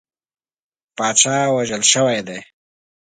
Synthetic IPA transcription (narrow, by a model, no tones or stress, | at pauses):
pɑːʃaːwaʒəlʃəwajd̪eː